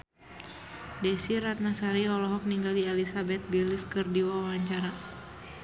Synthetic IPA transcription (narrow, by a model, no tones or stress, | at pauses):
dɛsirat̪̚nasaɾiɔlɔɦɔk̚niŋɡalialisabɛt̪̚biliskɨrdiwawaaɲt͡ʃaɾa